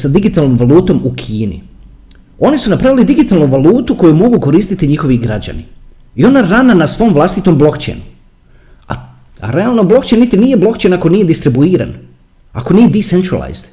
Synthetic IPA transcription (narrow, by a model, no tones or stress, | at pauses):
sad̪iɡit̪alˠno̞mʋalˠuːt̪o̞mukʰiːnḭ | o̞nisunapɾaʋilid̪iɡit̪aːlˠnuʋalˠuːt̪uko̞jumo̞ɡuko̞ɾist̪it̪iɲixo̞ʋiɡɾad͡ʑa̰ni | io̞naɾananasʋo̞mʋlˠast̪it̪o̞mblˠo̞kt͡ɕḛjnu | a̰ | a̰ɾe̞alˠnoblˠo̞kt͡ɕejnːit̪inije̞blˠo̞kt͡ɕenako̞nije̞d̪ist̪ɾibuiːɾa̰n | ako̞nije̞d̪isent̪ɾa̰lˠa̰jz̥d̪